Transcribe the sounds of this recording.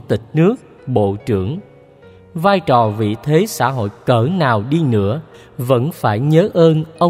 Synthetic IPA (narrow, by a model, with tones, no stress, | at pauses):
t̪ï˨˩k̟̚nɨ˦˥ək̚ | ɓo̰˧˨t͡ɕɨ˧˩əŋ | vaː˧jt͡ɕɔ˨˩vḭ˧˨t̪ʰe˨˦sa̰ː˧˥ɦo̰˧˨jkəː˧˩naː˨˩wɗi˧nɨ̰˧˥ə | və̰˧˥nfaː˧˩jɲəː˨˦ʔəː˧nʔə˧